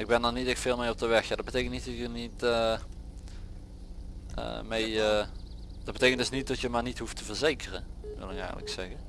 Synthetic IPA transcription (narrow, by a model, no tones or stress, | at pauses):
ɪɡ̚bɛnɔnitɛktfeːlˠmejɔp̚dəʋɛxjadtbətejkəntnitdɔkənitə | ə̰mej | d̥ɔtbətejkəntdɵsnit̚dɔtjəmaːrnitɦuftʰəvərzejkərəʋɪ̰lˠɪkɛ̰ːɣələ̰ksɛɣə